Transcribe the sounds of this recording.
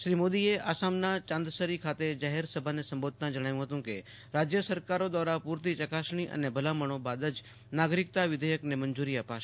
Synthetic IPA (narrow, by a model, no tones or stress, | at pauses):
ʃɾiːmoːd̪ieaːsaːmnat͡ʃãːnd̪əsəɾikʰaːt̪ed͡ʒaːɦeɾsəbʱanesə̃mboːd̪̚ʱt̪ãd͡ʒəɽ̃aːjũɦət̪ũke | ɾad͡ʒjəsəɾkaɾod̪aːɾapuːɾt̪̬it͡ʃəkasɳ̃iʔə̰nebʱəlaməɽ̃obaːd̪əd͡ʒ | naːɡɾɪk̚t̪aʋɪd̪ʱəjəknemənd͡ʒuːɾiəpa